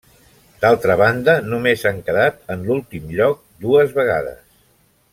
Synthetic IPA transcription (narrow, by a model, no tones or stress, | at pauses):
d̪̥alˠt̪ɾəβand̪ənumezaŋkəðat̪ənlulˠt̪imʎɔk̚d̪uəzβəɣ̞a̰ðə̰s